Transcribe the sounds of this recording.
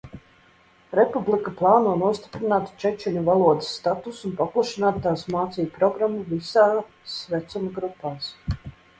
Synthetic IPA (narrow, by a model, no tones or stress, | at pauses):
ɾɛpublˠikaplˠaːnuɔnuɔst̪i̥pɾinaːt̪t͡ʃɛt͡ʃɛnʲuvalˠuɔd̪ɪ̥sːt̪at̪usunpaplˠaʃinaːt̪t̪ːaːsmaːt̪sijupɾɔɡɾamːuvisaː | svɛt̪sumaɡɾupːaːs